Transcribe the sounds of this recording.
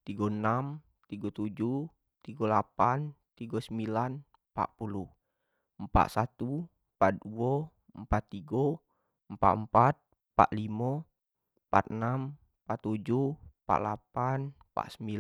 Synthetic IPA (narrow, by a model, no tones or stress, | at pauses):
t̪iɡɔnam | t̪iɡɔt̪ud͡ʒu | t̪iɡolapant̪iɡɔsəmbilan | pa̰ʔpuluh | əmpa̰t̪sat̪u | pa̰t̪̚duɔ | əmpat̪ːiɡɔ | əmpa̰ʔ̪əmpat̪̚ | pa̰ʔlimɔ | pa̰t̪ənam | pat̪ːud͡ʒupa̰ʔlapan | pa̰ʔsəmbil